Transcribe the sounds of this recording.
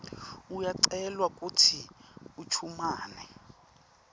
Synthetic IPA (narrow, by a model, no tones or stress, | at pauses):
ujaǀɛlwakʼutʰiut͡ʃʰumaːnɛ